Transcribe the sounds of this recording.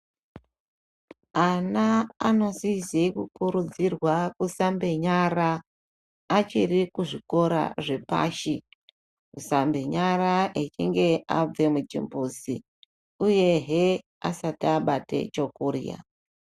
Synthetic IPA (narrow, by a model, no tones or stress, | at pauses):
anaanosisekukuɾud͡zirwakusambe̞ɲaraː | t͡ʃirikuʐiko̞ɾa̰ʐe̞pa̰ːʃi | usambe̞ɲaraʔet͡ʃiŋɡe̞ab͡ve̞mut͡ʃḭmbusḭ | uje̞ɦe | asatiaɓate̞̰t͡ʃo̞kurḭja̰